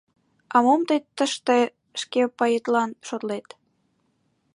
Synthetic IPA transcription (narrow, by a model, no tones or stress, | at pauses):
ɑmomt̪et̪ːəʃt̪e | ʃkepɑjet̪lɑnʃot̪let̪